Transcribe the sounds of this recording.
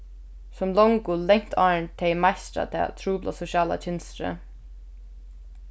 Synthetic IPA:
sʊmlɔŋkʊlɛŋ̥t̪ʰaːɹnt̪ʰɛjmajst̪ɾa̰t̪ʰɛ̰ːt̪ʰɾuːpla̰sʊʃjaːla̰t͡ʃʰɪnst̪ɾə̰

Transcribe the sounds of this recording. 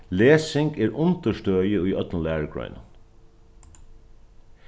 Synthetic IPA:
leːsɪŋɡeːɹʔʊnt̪əʃtøːjəiːʔœt̪n̩læːɹəɡɹœ̰ʏn

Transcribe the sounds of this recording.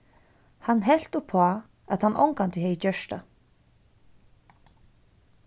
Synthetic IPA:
hanːɦɛl̥t̪ʊpʰɔː | aðhanʔɔ̰wŋkant̪ɪɦɛɪt͡ɕœʂt̪a̰

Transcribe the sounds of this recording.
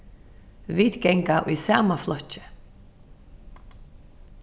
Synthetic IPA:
viːt̪kɛŋkaʔisaːmaflœht͡ʃɪ̥

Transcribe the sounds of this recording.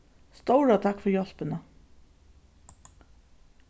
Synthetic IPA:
st̪owɾat̪ʰakfʏɾjɔl̥pɪna

